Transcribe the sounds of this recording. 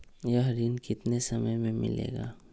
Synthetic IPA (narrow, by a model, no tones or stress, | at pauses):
jɐɦɾiːnkɪt̪nesɐməjmẽmɪ̰lḛːɡa̰ː